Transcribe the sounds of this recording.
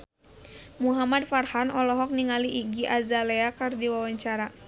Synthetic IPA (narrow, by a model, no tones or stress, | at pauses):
muɦamadfarhanɔlɔɦɔk̚niŋaliʔːɡiʔazaleakardiwawaɲt͡ʃaɾa